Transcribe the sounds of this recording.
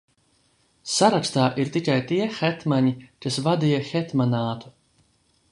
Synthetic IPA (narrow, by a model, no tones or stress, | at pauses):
saɾakst̪aːʔiɾt̪ikajt̪iɛxɛt̪maɲikasvad̪ijaxɛt̪manaːt̪u̥